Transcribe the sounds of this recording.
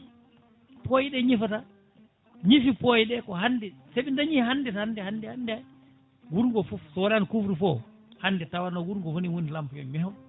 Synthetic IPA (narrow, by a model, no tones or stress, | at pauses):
pojiɗɛɲifata | ɲifipojiɗɛkɔhanːdɛseɓindaɲihanːdɛtahandɛhandɛhandɛ | wuɾŋɡɔfufsɔwalankufɾifɔ | handɛtawanɔɡuɾŋɡɔwoniwonilampuɛ̰mɛhɔ